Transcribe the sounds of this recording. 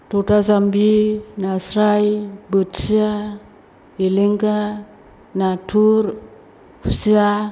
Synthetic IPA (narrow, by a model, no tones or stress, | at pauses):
totazambinasɾajbɯtsia | eleŋɡa | natʰuɾ | usia